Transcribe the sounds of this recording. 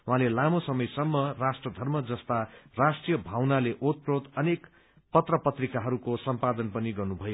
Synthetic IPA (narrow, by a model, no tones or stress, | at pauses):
uɦãlelamosʌmʌjsʌmːʌrasʈrʌd̪ʱʌrmʌd͡zʌst̪arasʈrijʌbʱawnaleʔot̪̚prot̪ʌnek | pʌt̪rʌpʌt̪rikaɦʌɾukosʌmpad̪ʌnpʌniɡʌrnubʱʌjo